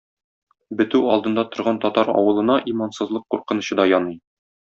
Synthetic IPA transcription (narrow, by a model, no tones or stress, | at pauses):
bɘ̆t̪ʉɒlˠd̪ɤ̆nd̪ɑt̪ŏɾʁɑnt̪ɒt̪ɑɾɒ̰wɤ̆lˠɤ̆nɑʔimɑnsɤ̆zlˠɤqːuɾqɤ̆nɤ̆ɕɤd̪ɒjɒnɤj